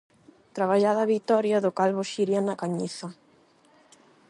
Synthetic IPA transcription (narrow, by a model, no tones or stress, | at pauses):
t̪ɾaβaʎaðaβit̪ɔɾjaðʊkalβoʃiɾjanakaɲiθa